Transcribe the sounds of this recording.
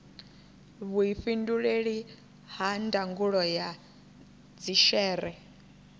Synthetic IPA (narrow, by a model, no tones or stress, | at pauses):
βuiɸinduɺeɺi | handaŋɡuɺɔja | d͡ziʃɛːɾɛ